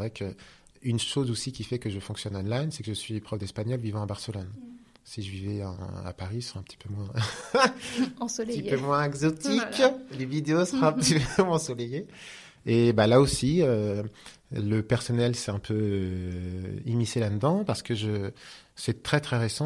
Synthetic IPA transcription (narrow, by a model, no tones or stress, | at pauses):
vʁɛkʰə | ynʃozosikʲifɛkəʒəfɔ̃ksjɔnɔnlajnsɛkəʒəsɥipχɔfd̪ɛspaɲɔlvivɑ̃abaʁsəlɔn | siʒəvivɛɑ̰̃a̰paʁisʁɛ̃pə̥t̪i̥pʰømwɛ̃ | t̪iømwɛ̃ɛɡzɔt̪iklevid̪eosəʁãpt̪ipmɔ̃sɔleje | ebalaosiø | ləpɛʁsɔnɛlsɛt̪ɛ̃pʰø | imiselad̪əd̪ɑ̃paʁsə̥kəʒə | sɛt̪χɛt̪χɛʁesɑ̃